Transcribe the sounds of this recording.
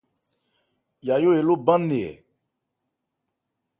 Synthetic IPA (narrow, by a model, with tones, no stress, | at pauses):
ja˨jo˦e˨lo˦bã˦ne˨ɛ̰˨